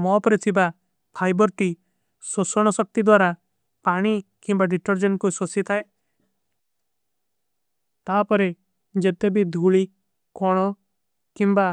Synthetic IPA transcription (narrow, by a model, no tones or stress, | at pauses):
mɔpɔɾet̪ʰiba | pʰajbɔɾʈi | sosɔɽ̃ɔsɔk̚t̪id̪waɾa | paɽ̃ikimbaɖiʈɔɾd͡ʒɔnkusosit̪ʰae | t̪apɔɾe | d͡ʒet̪ebʱid̪ʱuɭi | kɔɽ̃ɔ | kimba